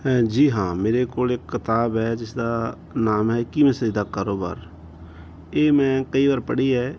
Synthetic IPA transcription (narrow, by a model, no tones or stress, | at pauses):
ɦɛ̃ːd͡ʒiːɦãːmeːɾeːkoːlekːɪt̪aːbɦɛːd͡ʒɪsd̪aː | naːmɦɛːkimɛ̃ːsəiːd̪aːkaːɾoːba̰ːɾ | eːmɛ̃ːkəiːʋaːɾpəɽiːɦɛː